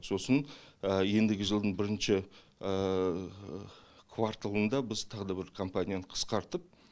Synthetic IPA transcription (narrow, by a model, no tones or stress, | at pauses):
so̞sənəje̞nd̪ɪɡʲɪʒəlˠd̪əɴbɪɾɪnʃɪ | ə | kʰvaɾt̪alˠənd̪ɑbɪzt̪ʰɑʁəd̪ɑbɪɾkʰo̞mpanʲijanəqʰə̥sqɑɾt̪əp̚